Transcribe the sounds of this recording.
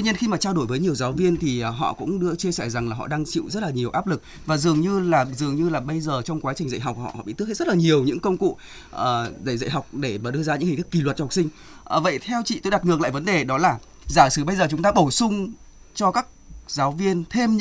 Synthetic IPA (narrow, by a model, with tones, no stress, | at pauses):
t̪i˧ɲi˧ənxi˧maː˨˩t͡ɕaː˧wɗo˧˩jvəː˨˦jɲi˨˩əwzaː˨˦wvi˧ənt̪ʰi˨˩ʔːɦɔ̰˧˨kʊ̰˧˥ŋ͡mɗɨ˧ət͡ɕi˧əsɛ˧˩jza˨˩ŋlaː˨˩ɦɔ̰˧˨ɗaː˧ŋt͡ɕḭ˧˨wzə˦˥t̚laː˨˩ɲi˨˩əwʔaː˦˥p̚lɨ˨˩k̚ | vaː˨˩zɨ˨˩əŋɲɨ˧laː˨˩zɨ˨˩əŋɲɨ˧laː˨˩ɓə˧jzəː˨˩t͡ɕɔ˧wŋ͡mkwaː˨˦t͡ɕï˨˩ŋ̟zə̰˧˨ɦa˨˩k͡p̚ːɔ̰˧˩hɔ̰˧˨ɓ̰t̪k̚ʰːzt̚lːɲi˨˩əwɲɨ̰˧˥ŋkə˧wŋ͡mkṵ˧˨ | ʔəː˨˩zə̰˧˩zə̰˧˨jɦa˨˩wk͡p̚ɗe˧˩maː˨˩ɗɨ˧əzaː˧ɲɨ̰˧˥ŋhka˨˦˥ki˨˩lwə˩t̚t͡ɕh̚sï˧ŋ̟ | ʔvə̰˧˨jt̪ʰɛ˧wt͡ɕḭ˧˨t̪o˧jɗa˨˩t̚nɨ˨˩əkla̰ː˧˨jvə˨˦nɗe˨˩ɗɔ˨˦laː˨˩ | zaː˧˩sɨ˨˦ɓə˧jzəː˨˩t͡ɕʊ˨˦ŋ͡mt̪aː˧ɓo˧˩sʊ˧ŋ͡m | t͡ɕɔ˧kaː˦˥k̚zaː˨˦wvi˧ənt̪ʰe˧mɲ˧˥